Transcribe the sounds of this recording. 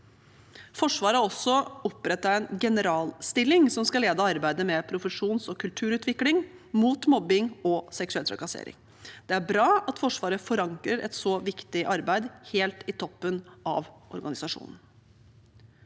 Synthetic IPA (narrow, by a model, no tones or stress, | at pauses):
fɔʂʋɑːɾəɔsːɔɔpɾɛt̪ːɑɛnɡɛnəɾɑːlst̪ɪlːɪŋsɔmskɑleːd̪ɑɑɾbæɪd̪əmɛpʰɾʊfəʂuːnsɔkʰʉlt̪ʰʉːɾʉːt̪ʋɪklɪŋmuːt̪mɔbːɪŋɔsɛksʉɛlt̪ʰɾɑ̰kɑsḛːɾɪ̰ŋ | d̪ɛæɾbɾɑːɑt̪fɔʂʋɑːɾəfɔɾɑŋkɾəɾʔɛ̰t̪sɔʋɪkt̪ɪʔɑɾbæɪd̪heːlt̪ɪt̪ʰɔpːənɑ̰ːʋʔɔ̰ɾɡɑnɪsɑʂṵːnn̩